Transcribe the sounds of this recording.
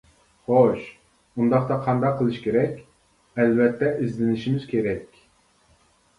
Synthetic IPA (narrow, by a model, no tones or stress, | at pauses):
χoʃ | und̪ɑqt̪ɑqʰɑnd̪ɑqʰːəlˠɨʃkʲʰeɾɛkʲ | ɛlvɛt̪ʰːɛʔizlɪnɪʃimɪz̥kʲʰeɾɛkʲ